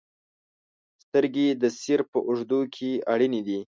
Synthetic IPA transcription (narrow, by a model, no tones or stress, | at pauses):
st̪əɾɡed̪əsiɾpəʔʊʐd̪ukʰeaɽinid̪i